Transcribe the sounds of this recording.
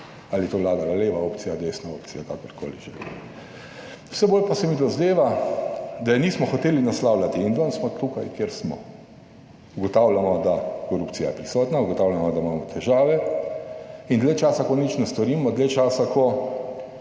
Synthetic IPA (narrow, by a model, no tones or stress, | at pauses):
aliɛt̪oːʋlaːd̪alaleːʋaoːpt̪sijad̪esnao̰ːp̚t̪sijakakɔɾkʰo̰ːliʒɛlḭ | u̥wsɛboːlpasɛmid̪ɔzd̪eːʋa | d̪ajɛniːsmɔxɔt̪eːlinaslawlʲat̪iːnd̪ɔnsmɔt̪ukajkjeɾsmɔ̰ | uɡɔt̪awlamɔd̪akɔɾupt̪sijajɛpɾisɔːt̪nauɡɔt̪aːwlʲjamɔd̪amaːmɔt̪ʰɛʒaːʋɛ | ind̪lɛt͡ʃaːsakɔnit͡ʃnɛst̪ɔɾiːmɔd̪lɛt͡ʃaːsakɔ